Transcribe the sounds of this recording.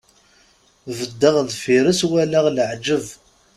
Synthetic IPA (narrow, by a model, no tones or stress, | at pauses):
vəd̪ːəʁðfiɾəswælaʁləʕd͡ʒəv